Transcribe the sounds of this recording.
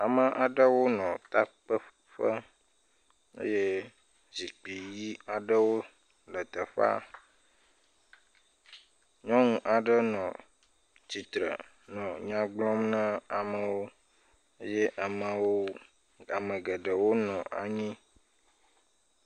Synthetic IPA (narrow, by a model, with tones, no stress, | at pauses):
a˨mə˨ʔa˨ɖə˦wo˦nɔ̃˨t̪a˦k͡pə˦ | ɸə˦ | ḛ˦je˦ | zi˨k͡pi˨ji˦a˨ɖə˦wo˦ | lə˨t̪ə˨ɸa̰˦ | ɲɔ̃˦ŋũ˦ʔa˨ɖə˦nɔ̃˨ | t͡ɕi˨t̪ɾə̰˨ | nɔ̃˨ɲã˦ɡ͡blɔ̃˦mnã˦a˨mə˨wo˦ | e˦jɛ˦ʔa˨mə˨wo˦ | a˨mə̃˨ɡə˨ɖə˨wo˦nɔ̃˨ʔa̰˨ɲĩ˦